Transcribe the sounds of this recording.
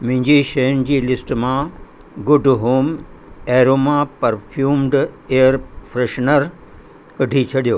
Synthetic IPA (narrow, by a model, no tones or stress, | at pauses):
m̃ɦɪ̃ɲd͡ʑiʃɐjənɪ̆d͡ʑiːlɪsʈmã | ɡʊɖɦoːmɛːɾoːmãpɐɾfʰjuːmɖeːəɾfɾeʃnəɾ | kɐɖʱit͡ɕʰɐɗijoː